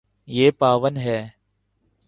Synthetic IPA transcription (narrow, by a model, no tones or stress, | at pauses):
jeːpaːʋənɦɛː